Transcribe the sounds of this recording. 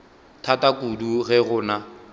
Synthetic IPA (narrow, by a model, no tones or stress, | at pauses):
tʰatakuduɣɛɣʊːna